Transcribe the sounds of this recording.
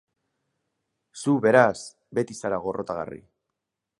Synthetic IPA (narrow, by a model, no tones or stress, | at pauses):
suβe̞ɾas | be̞t̪isaɾaɣ̞o̞rʔo̞t̪aɣa̰rḭ